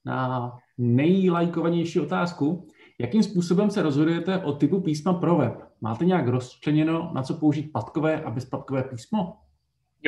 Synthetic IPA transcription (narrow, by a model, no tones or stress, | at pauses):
na̰ | nɛjlajkovaɲɛjʃiːo̞t̪aːsku | jakimspuːso̞bɛmsɛɾo̞zɦo̞dujɛt̪ɛʔo̞t̪ɪpupiːsmapɾo̞vɛpma̰ːt̪ɛɲɛakɾo̞st͡ʃrɛɲɛno̞nʔa̰t͡so̞po̞uʒiːt̪̚pat̪ko̞vɛːʔabɛspat̪̚ko̞vɛːpiːsmo̞